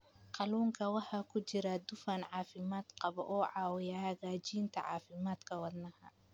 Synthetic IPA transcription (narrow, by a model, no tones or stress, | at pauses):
qɑluːŋkʰɐwɑħɑːkʰʊt͡ʃɪɾɐd̪ʊfaːnʕɑːfɪmaːd̪qɑβɔʔɔːʕɑːwɪjahɐɣaːt͡ʃiːnt̪ʰɐʕɑːfɪmaːd̪kʰɐwɑd̪nɐhɐ